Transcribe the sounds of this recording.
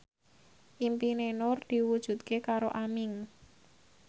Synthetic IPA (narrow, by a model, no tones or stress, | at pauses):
ʔimpinenʊrd̪̥i̤wud̥ʒ̥ṳt̪kekaɾoʔamɪŋ